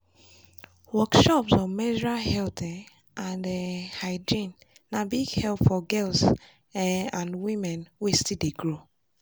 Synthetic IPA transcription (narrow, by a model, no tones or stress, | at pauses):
wɔkʃɔpsɔmɛd͡ʒɹahɛltɛ | ʔãndɛhaɪd͡ʒĩnː | abiɡhɛlpfɔɡɛls | ãnwĩmɛ̃nwestideɡɹo